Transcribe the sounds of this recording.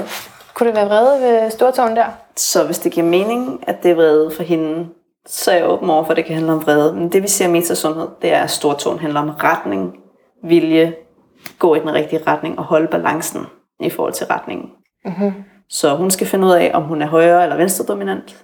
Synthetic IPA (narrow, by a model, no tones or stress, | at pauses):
kʰuɾ̥e̝ʋæːɐʁɛð̩ˠʋesd̥o̝ɐt͡sʰɔ̰ːnd̥æɐ̰sɒ̽ʋe̝sd̥e̝ɡ̥iɐ̰me̝ːne̝ŋæd̥e̝ʋʁɛːðˠfɒ̽ɦe̝n | sɒjɑʔɔ̰̽ːb̥n̩ɒ̰ʊ̰ɐfɒ̽d̥e̝kʰæhænləɒ̽mʋʁɛð̞ˠəmend̥e̝ʋise̝ɐ̰me̝̰ːt͡sʰæsɔ̽nhe̝ð̞̰ˠd̥e̝æɐsd̥o̝ɐt͡sʰo̰ːnɦændlɐɒ̽mʁad̥ne̝ŋ | ʋiljə | ɡ̥ɔ̰̽ːid̥enʁɛɡ̥̚d̥iəʁɑd̥ne̝ŋɒ̽hɒ̽ləb̥ælʔɑ̈ŋsn̩ | ifɒ̰ːhɒ̽l̰t͡sʰe̝lʁɑd̥ne̝ŋn̩ | sɒ̽ɦunsɡ̥æfe̝nəuð̰ˠɛʔɒ̽mɦunæɐɦɒ̽ɪɐːelɐʋensd̥ʁɐd̥o̝minæn̰d̥